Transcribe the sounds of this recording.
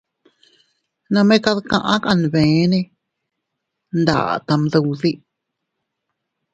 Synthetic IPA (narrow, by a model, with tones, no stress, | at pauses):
nã˧mẽ˦ka˧ðkã̰˧ʔã˦ka˧n˨βẽ˨˦nẽ˧ | nd̪a̰˨t̪a˧mðu˧wði˦